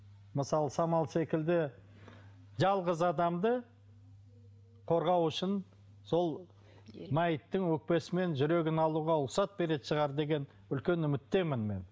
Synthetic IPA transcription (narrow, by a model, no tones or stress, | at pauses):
məsɑlˠəsɑmɑlˠse̞kʲɪld̪ɪ | ʒɑlˠʁəzɑd̪ɑmd̪ə | qʰo̞ɾʁɑwʏʃɪn | so̞lˠ | mæjət̪ːɪŋwɵk̚pe̞sɪme̞nʒʏɾe̞ɡʲɪnɑlˠuʁɑʊqsɑt̪̚be̞ɾe̞d̪ʃəʁɑɾd̪e̞ɡʲe̞n | ʏlkʲe̞nʏmɪt̪ːe̞mɪnme̞n